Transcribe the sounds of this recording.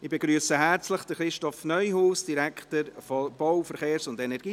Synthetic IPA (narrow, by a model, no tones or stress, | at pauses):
ɪbeɡɾyːəsəɦɛɾt͡sləχd̥əχɾɪʃtɔfnœʏɦuːsd̥iɾɛktəɾfɔb̥ɔwfəɾχeːɾsʊndɛnɛɾɡ̥iː